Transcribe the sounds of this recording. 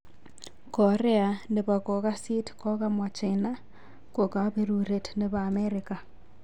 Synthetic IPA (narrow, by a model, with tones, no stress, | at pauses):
ko˨ɾe˦ane˨βa˨ko˨ɣa˦si˦tko˦ɣa˦mwa˨t͡ʃena˦ | ko˨ka˨βeɾuɾe˨tneβaː˨meɾika˨